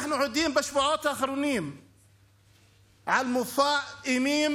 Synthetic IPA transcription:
ħnuʕud̪iːmbaʃbʊʕaːt̪ʔaːxɪɾuːnɪːm | ʕalmʊfaːʔʔɪmiːm

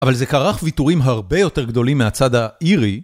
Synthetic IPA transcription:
avalze̞kaʁaχvituʁimɦaʁbe̞jo̞te̞ʁɡd̪o̞limːeat͡sadaiʁi

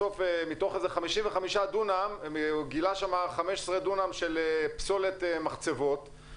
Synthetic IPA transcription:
ofemit̪o̞χezeχamiʃimveχamiʃadunameɡilaʃamaχameʃesʁed̪unamʃe̞lepsolet̪emaχt͡sevo̞t

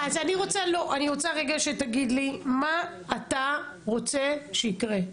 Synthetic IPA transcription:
azaniʁo̞t͡salo̞ʔaniʁo̞t͡saʁeɡaʃe̞taɡid̪limaː | t̪a | ʁo̞t͡se̞ʃeikʁe

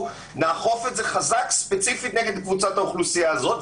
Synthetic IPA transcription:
naːχo̞fetze̞χazakspe̞t͡sifit̪neɡed̪kvut͡sataoχlusijaːzo̞t̪

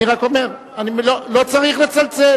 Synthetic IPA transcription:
iʁako̞meʁ | animlolot͡saʁiχlat͡salt͡se

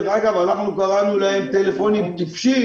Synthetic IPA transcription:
ʁaɡavanaχnukaʁalnulahemt̪elefo̞nimt̪ifʃi

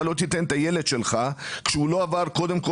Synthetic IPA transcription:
lo̞t̪it̪ent̪aje̞led̪ʃelχakʃɛulo̞avaʁko̞d̪e̞mko

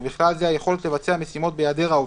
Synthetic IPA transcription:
biχlalzeajeχo̞le̞t̪le̞vat͡seame̞simo̞t̪̚bejad̪eʁaov

